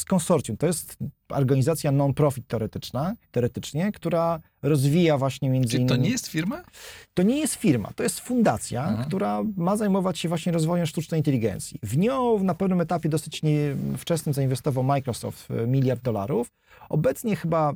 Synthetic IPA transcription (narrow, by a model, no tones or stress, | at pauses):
skɔnsɔɾt̪sʲjũt̪ɔjɛst̪ | ɔ̰ɾɡaɲizat̪sʲjanɔnpɾɔfʲit̪ːɛɔɾɛt̪ɘt͡ʂnat̪ːɛɔɾɛt̪ɘt͡ʂɲɛkt̪uɾa | ɾɔzvʲijavwaɕɲɛmʲjɛnd̪zinːɔɲɛjɛst̪fʲiɾmat̪ɔɲɛjɛst̪fʲiɾma̰t̪ɔjɛst̪fund̪at̪sʲjakt̪uɾamazajmɔvat͡ɕɕɛvwaɕɲɛɾɔzvɔjɛmʂt̪ut͡ʂnɛjint̪ɛlʲiɡɛ̰nt̪sʲjḭvɲɔ̃wvnapɛvnɘmɛt̪apʲjɛd̪ɔsɘt͡ɕɲɛft͡ʂɛsnɘmzainvɛst̪ɔvawmajkɾɔsɔ̰ft̪mʲilʲjaɾd̪̚d̪ːɔla̰ɾuf | ɔbɛt̪sɲɛxɘba